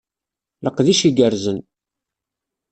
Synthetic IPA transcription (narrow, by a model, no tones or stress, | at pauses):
ləqðiʃiɡəɾzən